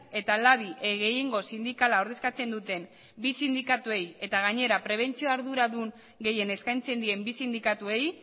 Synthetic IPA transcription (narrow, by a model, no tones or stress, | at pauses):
e̞t̪alaβ̞iʔeɣe̞jeŋɡo̞sind̪ikalao̞ɾðe̞skat͡se̞nd̪ut̪e̞m | bisind̪ikat̪ue̞je̞t̪aɣ̞aɲe̞ɾapɾe̞β̞e̞nt͡sio̞aɾðuɾaðuŋ | ɡe̞je̞ne̞skajnt͡se̞nd̪ie̞mbisind̪ikat̪ue̞j